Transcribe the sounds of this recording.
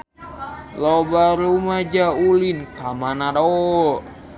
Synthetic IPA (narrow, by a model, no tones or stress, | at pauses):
lɔbaɾumad͡ʒaulinkamanaɾo